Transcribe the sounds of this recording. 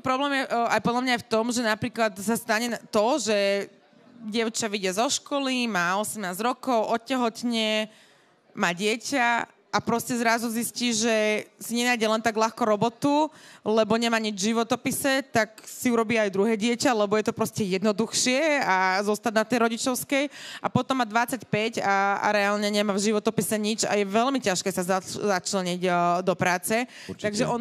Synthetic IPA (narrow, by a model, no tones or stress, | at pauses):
pɾɔblɛːmjɛajpɔd̪lamɲajft̪ɔmʒɛnapɾiːklat̪sast̪aɲɛt̪ɔʒɛ | ɟɪɛʊt͡ʃaʋiɟɪazɔʃkɔlimaːɔsɛmnaːzɾɔkɔʊʔɔcːɛɦɔt̪ɲɛ | maːɟɪɛca | ʔapɾɔscɛzɾazuzisciːʒɛsiɲɛnaːjɟɛlɛnt̪aɡlaxkɔɾɔbɔt̪ulɛbɔɲɛmaːɲid͡ʒʒiʋɔt̪ɔpisɛt̪aksiuɾɔbiːajd̪ɾuɦɛːɟɪɛcalɛbɔjɛt̪ɔpɾɔscɛjɛd̪nɔd̪uxʃɪɛazɔst̪aɟnat̪ɛjɾɔɟit͡ʃɔʊskɛjapɔt̪ɔmːad̪ʋat͡sacpɛca̰ɾɛaːlɲɛɲɛmaːvʒiʋɔt̪ɔpisɛɲid͡ʒa̰jɛʋɛlmicaʃkɛːsazazat͡ʃlɛɲiɟd̪ɔpɾaːt͡sɛ | t̪aɡʒɛʔɔ